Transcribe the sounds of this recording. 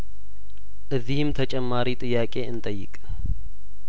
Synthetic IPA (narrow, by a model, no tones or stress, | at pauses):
ʔɨzːihɪmt̪ʰət͡ʃʼɛmːaɾit̪ʼɨjːaːkʼe̞ɨnt̪ʼəjːɪ̰kʼ